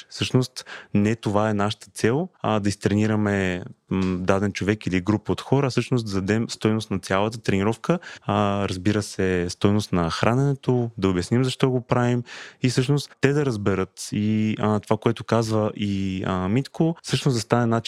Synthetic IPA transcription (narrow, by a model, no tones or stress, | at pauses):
sɤʃnost̪nɛt̪ovaɛnaʃə̥t̪ə̥t̪sɛlˠd̪ɐist̪ɾɛniɾəmɛ | d̪ad̪ɛnt͡ʃovɛkiliɡɾupot̪xɔɾəfsɤʃnosd̪ɐd̪ɐd̪ɛmst̪ɔjnost̪nɐt̪sʲjalˠət̪ət̪ɾɛniɾɔfkəɾɐzbiɾəsɛst̪ɔjnost̪nɐxɾanɛnɛt̪od̪ɐobjɐsnimzɐʃt̪ɔɡopɾavimisɤʃnost̪ːɛd̪ɐɾɐzbɛɾɤt̪it̪ovakoɛt̪ʊkazvəʔimit̪kʰosɤʃnosd̪ɐst̪anɛnat͡ʃ